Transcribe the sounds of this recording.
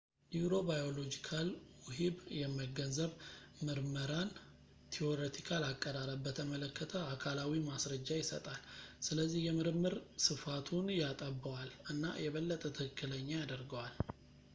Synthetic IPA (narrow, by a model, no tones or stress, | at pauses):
nibɾo̞bajo̞lo̞d͡ʒikʰalwʊɦibjɛməɡənzəβmɨɾməɾan | t̪ʰio̞ɾet̪ʰikʰalakʼːəɾaɾəbbət̪ʰəmələkːət̪ʰəakʰalawimasɾəd͡ʒːajɪsə̰t̪ʼalsɨləzːihjɛmɨɾɨmːɨɾsɨfat̪ʰunjat̪ʼəbːawalʔɨnːa̰jɛβəlːət̪ʼət̪ʰɨkɨkʰːɨləɲːajad̪əɾɡəwal